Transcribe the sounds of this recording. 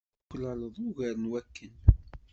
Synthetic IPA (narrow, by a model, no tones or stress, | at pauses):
kːlələðˤuɣæɾənwækːən